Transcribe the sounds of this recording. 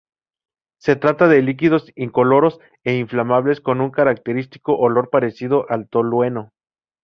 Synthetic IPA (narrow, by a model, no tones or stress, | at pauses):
se̞t̪ɾat̪aðe̞lik̬iðo̞siŋko̞lo̞ɾo̞s | e̞iɱflamaβle̞sko̞nuŋkaɾak̚t̪e̞ɾist̪i̥ko̞ʔolo̞ɾpaɾe̞siðo̞ʔalt̪o̞lwe̞no̞